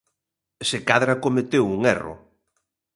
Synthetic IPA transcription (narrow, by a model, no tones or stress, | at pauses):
sekaðɾakomet̪ewuŋɛrʊ̰